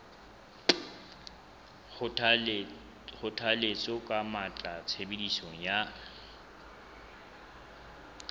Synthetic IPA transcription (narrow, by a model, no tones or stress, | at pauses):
χʊtʰalet͡sʼɔkʼamat͡ɬʼat͡sʰebedisɔŋ̩ja